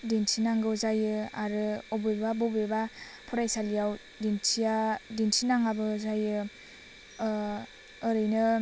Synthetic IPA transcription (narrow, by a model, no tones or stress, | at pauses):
dinsʰinaŋɡɯwzajɯaɾɯɔbebabɔbeba | pʰɔɾajsalijaw | dinsʰiadinsʰinaŋabɯzajɯ | ɯɾɯjnɯ